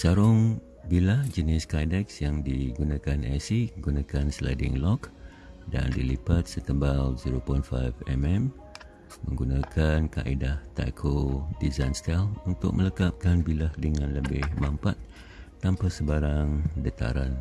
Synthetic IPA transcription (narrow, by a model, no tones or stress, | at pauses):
saɾʊŋ | bilahd͡ʒənɪskajdɛksjaŋdiɡunãkanʔɛsiəɡunãkansla̰jdɪ̰ŋlɔk | da̰ndilibat̪̚sət̪əmbalziɾopɔjnfa̰jfɛmɛm | mə̃ŋɡunãkʰanka̰ʔidaht̪a̰kʰodizajnst̪ɛlunt̪ʊ̰k̚mələkap̚kanbilahdəŋãnləbɪhmampat̪̚ː | ampasəbaɾaŋdət̪a̰ɾan